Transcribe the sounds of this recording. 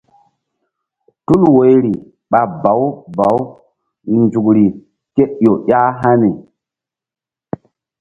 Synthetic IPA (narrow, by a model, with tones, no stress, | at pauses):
tu˦lwo˨˦jɾi˨ | ɓa˨ba˨˦wba˨˦w | nd͡ʒu˨kɾi˨ | ke˦ʔjo˨ja˦ɦa˦ni˨